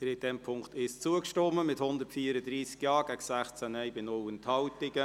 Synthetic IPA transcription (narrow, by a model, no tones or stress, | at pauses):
əɾɪd̥ɛmpʰʊŋktɪst͡suəkʃtɔmːəmɪthʊndəɾtfiːəɾəd̪ɾiːsɡjɑːɡ̥æksæχt͡sænɛjbɪnʊlənthɑwtɪɡə